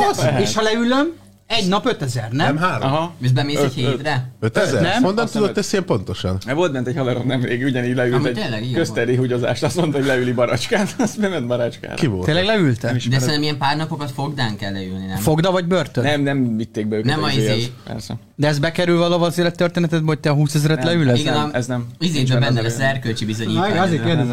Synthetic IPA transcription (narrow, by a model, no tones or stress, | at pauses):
zeːʃhɒlɛyløm | ɛɟnɒpøt̪ɛzɛrnɛmɦaːɾɦɒeʃbɛmeːɛcheɾɛøt̪ɛzɛnɛmond̪ɔnt̪ud̪ot̪ːɛsiempo̞nt̪o̞ʃɒ̰nɛvo̞lt̪bɛnt̪ɛchɒlɛɾomnɛmveːɡuɟɛniːɟlɛylmɛt̪eːlːɛɡikøst̪ɛɾeːɦuɟo̞za̰ːʃt̪ɒst̪mont̪holɛylibɒɾɒt͡ʃkaːt̪sbɛmɛnbɒɾaːt͡ʃka̰ːɾivolt̪eːlːɛɡlɛylt̪ɛmiʃd̪ɛsɛt̪ɛmijɛmpaːrnɒpokɒt̪foɡd̪aːŋkɛlːɛylninɛfo̞ɡd̪ɒvɒɟbørt̪øɛmnɛmvit̪ːeːɡ̚bɛøːkɛɛmmieɛeːpɛ̰rsɛ̰ | d̪ɛɛzbɛkɛɾylvɒlovɒzeːlɛt̪ːørt̪eːnɛt̪ɛd̪̚bɛɦoc̚t̪ɛɒɦuːsɛzɾɛt̪lɛylɛzɡɛɛɛznɛmizeːbɛbɛnːɛlɛsɛrkølt͡ʃibizoɲiːai